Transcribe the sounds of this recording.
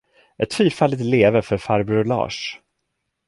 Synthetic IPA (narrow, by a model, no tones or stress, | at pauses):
ʔɛt̪fyːɾfalːɪt̪leːvəɾfœɾfaɾblɑ̰ːʂ